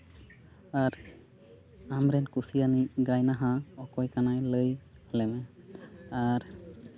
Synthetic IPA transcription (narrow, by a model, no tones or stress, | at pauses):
aɾ | amɾɛnkusijaniɡajnaɦaɔkɔjkanajləj | lɛmɛ | aɾ